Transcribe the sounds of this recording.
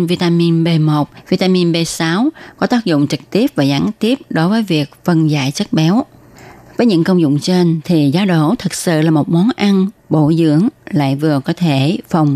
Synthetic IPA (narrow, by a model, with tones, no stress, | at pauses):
vi˧t̪aː˧mi˧nɓe˧mo˨˩t̚vi˧t̪aː˧mi˧nɓe˧saː˨˦wkɔ˨˦t̪aː˦˥k̚zʊ̰˧˨ŋ͡mt͡ɕɨ˨˩k̚t̪i˦˥əp̚vaː˨˩zaː˨˦nt̪i˦˥əp̚ɗo˨˦jvəː˨˦jvi˨˩ək̚və˧nza̰ː˧˨jt͡ɕə˦˥t̚ɓɛ˨˦w | vəː˨˦jɲɨ̰˧˥ŋkə˧wŋ͡mzʊ̰˧˨ŋ͡mt͡ɕe˧nt̪ʰi˨˩zaː˨˦ɗo̰˧˩t̪ʰɨ˨˩k̚sɨ̰˧˨laː˨˩mo˨˩t̚mɔ˨˦nʔa˧nɓo˧˩zɨ̰˧˥əŋla̰ː˧˨jvɨ˨˩əkɔ˨˦t̪ʰe˧˩fə˨˩wŋ͡m